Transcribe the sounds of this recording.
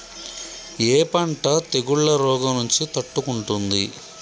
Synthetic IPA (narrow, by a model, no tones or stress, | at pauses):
eːpɐɳʈɐt̪eɡuɭːɐɾɔːɡɐnuɲt͡ʃit̪ɐʈːukuɳʈund̪ḭ